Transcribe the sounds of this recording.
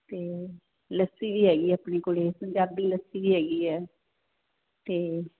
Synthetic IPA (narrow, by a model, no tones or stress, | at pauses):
t̪eː | ləsiːʋiːɦɛːɡiːapneːkoːleːsəɲd͡ʒaːb̚d̪iːləsːiːʋiːɦɛːɡiːɛː | t̪eː